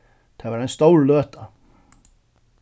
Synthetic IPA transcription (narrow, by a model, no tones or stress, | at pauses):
t̪ʰavaɾajnst̪owɾløːt̪a